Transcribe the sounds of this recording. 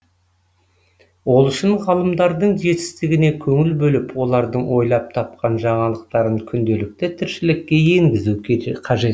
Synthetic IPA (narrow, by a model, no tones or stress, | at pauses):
wo̞lˠʏʃɪnʁɑlˠəmd̪ɑɾd̪əɴʒe̞t̪ɪ̥st̪ɪɡʲɪne̞kʲʰɵŋɪlbɵlɪpwo̞lˠɑɾd̪əɴwo̞jlˠɑp̚t̪ʰɑp̚qɑnʒɑɴɑlˠəq̚t̪ɑɾəɴkʲʰʏnd̪e̞lɪk̚t̪ɪt̪ʰɪɾʃɪlɪkʲːe̞je̞ŋɡʲɪzukʲʰqʰɑʒe̞t̪